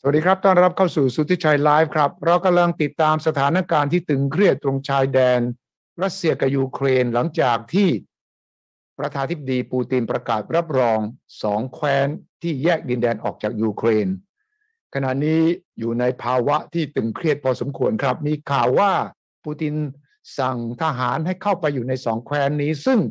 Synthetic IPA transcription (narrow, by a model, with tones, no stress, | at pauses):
sa˨˩˨diː˧ɾa˦˥p̚t̪ɔː˥˩nɾa˦˥p̚kʰaː˥˩wsuː˨˩suː˦˥t̪ʰi˦˥t͡ɕʰa˧jlaː˦˥jf̚kʰɾa˦˥p̚ɾa˧wka˧mla˧ŋt̪i˨˩t̪ːaː˧msa˧t̪ʰaː˩˦˥nːa˦˥kaː˧nt̪ʰiː˥˩t̪ɯ˨˩ŋkʰɾi˥˩ət̪̚ːɾo˧ŋt͡ɕʰaː˧jdɛː˧n | ɾa˦˥t̪̚si˧ɐka˨˩juː˧kʰɾeː˧nla˩˦ŋt͡ɕaː˨˩k̚t̪ʰiː˥˩ | pɾa˧t͡ɕʰaː˧t̪ʰi˥p̚ːa˧diː˧puː˧t̪i˧npɾa˧kaː˨˩t̪̚ɾa˦˥p̚ɾɔː˧ŋsɔː˩˦ŋkʰwɛː˦˥nt̪ʰiː˥˩jɛː˥˩k̚di˧ndɛː˧nʔɔ̰ː˨˩k̚t͡ɕaː˨˩k̚juː˧kʰɾeː˧n | kʰa˧na˨˩ʔniː˦˥juː˨˩na˧jpʰaː˧wa˦˥ʔt̪ʰiː˥˩t̪ɯ˨˩ŋkʰɾi˥˩ət̪̚pʰɔː˧so˩˦mkʰu˧˩ənkʰɾa˦˥p̚miː˧kʰaː˨˩wːaː˥˩ | puː˧t̪i˧n | sa˨˩ŋt̪ʰa˧ɦaː˩˦nɦa˥˩jkʰa˥˩wpa˧jːuː˨˩na˧jsɔː˩˦ŋkʰwɛː˦˥nːiː˦˥sɯ˥˩ŋ